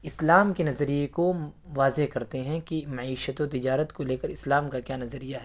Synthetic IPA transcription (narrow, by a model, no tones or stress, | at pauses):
ɪslaːmkenɐzɾijekoʋaːzeɦkɐɾt̪eɦɛ̃kimɐʕiːʃət̪ot̪ɪd͡ʒaːɾət̪koleːkəɾɪslaːmkakjaːnɐzəɾijaɦɛː